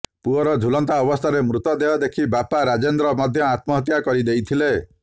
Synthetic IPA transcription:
puɔɾɔd͡ʒʱulɔnt̪aɔbɔst̪ʰaɾemɾut̪ɔd̪eɔd̪ekʰibapaɾad͡ʒend̪ɾɔmɔd̪ʱjɔat̪mɔɦɔt̪jakɔɾid̪ejt̪ʰile

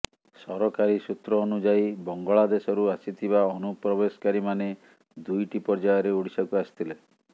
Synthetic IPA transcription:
sɔɾɔkaɾisut̪ɾɔːnud͡ʒajbɔŋɡɔɭad̪esɔɾuasit̪ʰiβaɔnupɾɔbesɔ̥kaɾimane | d̪ujʈipɔɾd͡ʒajɔɾeuɽisɔkuast̪ʰile

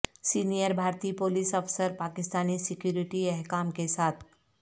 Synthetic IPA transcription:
sinijəɾbʱaɾt̪iːpolisəfsəɾpakɪst̪anisikjuɾiʈiɛɦkamkesat̪ʰ

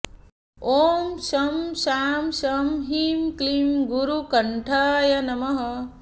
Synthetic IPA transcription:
oːmsɐmʃaːmʃɐmɦimklimɡuɾukɐɳʈʰaːjɐnɐmɐɦɐ

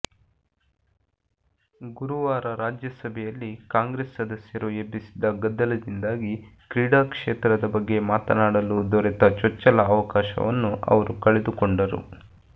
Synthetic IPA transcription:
ɡuɾuʋaːɾɐɾaːd͡ʒjɐsɐbʱɛjɐlːikaːŋɡɾeːsːɐd̪ɐsjɐɾuebːisi̥d̪ɐɡɐd̪ːɐlɐd̪ind̪aːɡikɾiːɽaːkʂeːt̪ɾɐd̪ɐbɐɡːe̞maːt̪ɐnaːɽɐlud̪ɔɾɛt̪ɐt͡ʃɔt͡ʃːɐlɐːʋɐkaːʃɐ̰ʋɐ̰nːuʔɐ̰ʋɐɾukɐɭed̪ukoɳɖɐɾṵ

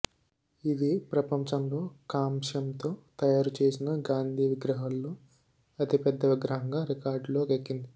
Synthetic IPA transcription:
id̪ipɾɐpɐɲt͡ʃɐmlo̞ːkaːmʂɐmt̪o̞ːt̪ɐjaːɾut͡ʃe̞ːsinɐɡaːnd̪ʱiːʋiɡɾɐɦɐlːoː | ɐt̪ipɛd̪ːɐʋiɡɾɐɦɐŋɡaːɾikaːɾɖlo̞ːɡekːind̪i

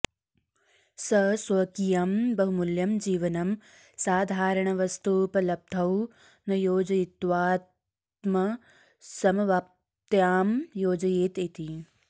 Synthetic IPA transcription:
sɐsʋɐkijɐmbɐɦumuljɐmd͡ʒiːʋɐnɐm | saːd̪ʱaːɾɐɳɐʋɐst̪uːpɐlɐb̚d̪ʱɐw | nɐjoːd͡ʒɐjit̪ʋaːt̪ | mɐ | sɐmɐʋaːp̚ | t̪jaːmjoːd͡ʒɐjeːt̪it̪i

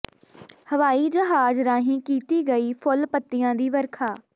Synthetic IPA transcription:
həʋaːiːd͡ʒəɦaːzɾãːɦĩːkiːt̪iːɡəiːpʰʊlpət̪ːɪjãːd̪iːʋəɾkʰaː

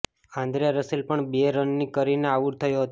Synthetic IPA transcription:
ãnd̪ɾijaɾəselpəɳbeɾənːikəɾineaʋuɾt̪ʰəjoɦət̪o

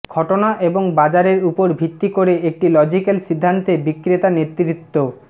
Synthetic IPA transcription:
ɡ̥ʱɔʈonaʔeboŋbad͡ʑaɾeɾupoɾbʱit̪ːikoɾeek̚ʈilɔd͡ʑikelʃid̪ʱːant̪ebikːɾet̪anet̪ːɾit̪ːo

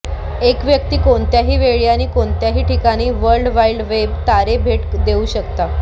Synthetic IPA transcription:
ekʋjək̚t̪iːkoɳt̪jaɦiːʋeɭijañiːkoɳt̪jaɦiːʈʰikaɽ̃iːʋəɾɖʋailɖʋebt̪aɾebʱeʈd̪euːɕəkt̪a

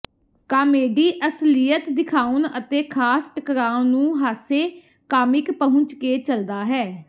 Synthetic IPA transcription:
kaːmeːɖiːʔəslɪjət̪d̪ɪkʰaːʊnət̪eːkʰaːsʈəkɾaːnũːɦaːseː | kaːmɪkpəɦʊ̃ɲt͡ʃkeːt͡ʃəld̪aːɦɛː

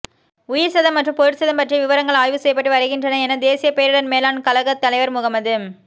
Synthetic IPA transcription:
ʊjɪɾsɐðɐmːɐʈrɯmpɔɾɪʈsɐðɐmpɐʈrijɐʋɪʋɐɾɐŋɡɐɭaːjʋɯsɛjɐp̬ːɐʈːɯʋɐɾɪɣɪndrɐnɐɛnɐd̪eːsɪjɐpeːɾɯɽɐnmeːlaːnkɐlɐɣɐt̪ːɐlɐɪʋɐɾmʊɣɐmɐðɯ

